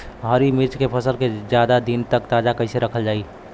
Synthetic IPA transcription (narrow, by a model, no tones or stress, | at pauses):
ɦəɾimiɾt͡ʃkepʰəsəlked͡ʒjad̪ad̪int̪əkt̪ad͡ʒakəɪseɾəkʰəld͡ʒaːi